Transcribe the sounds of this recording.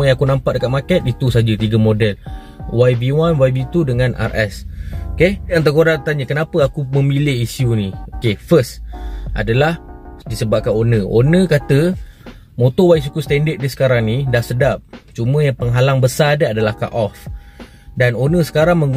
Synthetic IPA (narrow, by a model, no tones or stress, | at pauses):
əjaŋakunampaʔ̚dəkat̪̚makɛt̪̚it̪usad͡ʒət̪iɡamodɛl | wajbiwanwajbit̪udəŋãna̰rʔɛ̰sokejaŋt̪̬əkodaŋt̪aɲəkənapəakuməmilɪhisiuniokefəsʔa̰dalahdisəbap̚kanonə̃ʔo̰nə̃kat̪ə | mot̪ɔwais̬ukust̪ɛndəʔ̪̚disə̥kaɾaŋnidahsədap̚t͡ʃumə̃jaŋpəŋɦalaŋbəsadəadalahka̰ʔɔf | danonə̃sə̥kaɾaŋməŋ